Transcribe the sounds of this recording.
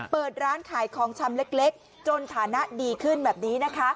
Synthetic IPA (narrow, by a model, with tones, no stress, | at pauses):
pɤː˨˩t̪̚ɾaː˦˥nkʰaː˨˩˦jkʰɔː˩˦ŋt͡ɕʰa˧mle˦˥k̚le˦˥k̚ | t͡ɕo˧nt̪ʰaː˩˦na˦˥ʔdiː˧kʰɯ˥˩nbɛː˨˩p̚niː˦˥na˦˥kʰa˦˥